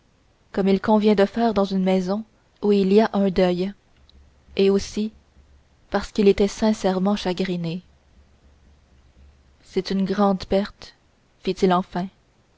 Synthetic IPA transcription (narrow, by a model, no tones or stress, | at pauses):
kɔmilkɔ̃vjɛ̃d̪əfɛːʁd̪ɑ̃zynmɛzɔ̃ | uiliaʔœ̃d̪œj | eosi | paʁsə̥kilet̪ɛsɛ̃sɛʁmɑ̃ʃaɡʁine | sɛt̪ynɡʁɑ̃d̪pɛʁt̪ | fit̪ilɑ̃fɛ̃